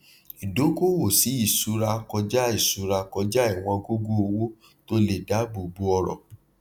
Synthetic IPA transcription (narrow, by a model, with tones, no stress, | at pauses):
i˨do˨˦ko˦wo˦˨si˨˦i˦˨su˨˦ɾa˧kɔ˧d͡ʒa˦i˦˨su˨˦ɾa˧kɔ˧d͡ʒa˦i˦˨w̃ɔ̃˧ɡo˦ɡo˦o˧wo˦ | to˦le˨da˨˦bo˨bu˧˦ɔ˧ɾɔ̰˨